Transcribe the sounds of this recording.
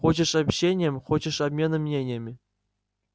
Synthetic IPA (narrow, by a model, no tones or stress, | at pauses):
ot͡ɕɤ̆ʂɑpʲɕenʲemʲχot͡ɕɤ̆ʂɑbʲmʲenɤ̆mʲnʲenʲemʲ